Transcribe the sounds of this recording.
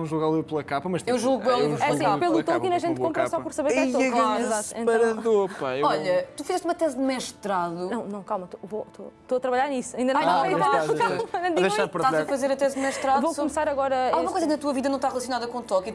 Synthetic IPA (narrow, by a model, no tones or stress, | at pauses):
ɐ̃w̃ʒuɣalˠewplˠɐkapɐmɐʃt̪ewʒɔɣɛlˠevoɛɐsĩpelˠut̪õkinɐʒẽnt̪kõmpɾɾɐsɔpɔɾsɐβeɾɛõizat̪ḛ̃pɐ̃ɾɐðopaeɔʎɐt̪ufizɛʃt̪umɐt̪ɛzd̪mɛʃt̪ɾaðunɐ̃w̃nɐ̃w̃kalˠmɐt̪ovot̪o̰t̪oɐt̪ɾɐβɐʎaɾnisɐĩnd̪ɐnnɐ̃ĩɐɐ̃akamɐnɐ̃w̃d̪id̪jʃaɾpɾðʃaɐfɐzeɾɐt̪ɛzd̪mɛʃt̪ɾaðvosumsaɾɐɣɔɾɐalˠumɐkojzɐknɐt̪uɐviðɐnɐ̃t̪aʁlˠɐsiunaðɐkõt̪ɔki